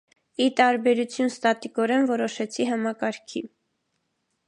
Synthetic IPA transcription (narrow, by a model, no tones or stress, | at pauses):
it̪ɑɾbɛɾut͡sʰjunst̪ɑt̪ikɔɾɛnvɔɾɔʃɛt͡sʰiɦɑmɑkɑɾkʰi